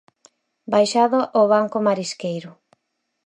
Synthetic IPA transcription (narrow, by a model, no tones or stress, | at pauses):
bajʃaðoʔoβ̞aŋkomaɾiskejɾʊ